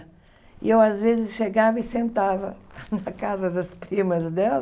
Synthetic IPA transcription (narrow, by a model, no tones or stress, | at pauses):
ḭewaʒvezɨʃʃeɣavɐisẽnt̪avɐnɐkazɐðɐʃpɾimɐzd̪ɛlˠ